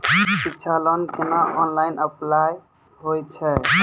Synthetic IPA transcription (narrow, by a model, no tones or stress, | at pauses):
sikt͡ʃʰalənkenaʔɔnlajnəplaj | ɦojt͡ʃʰɛ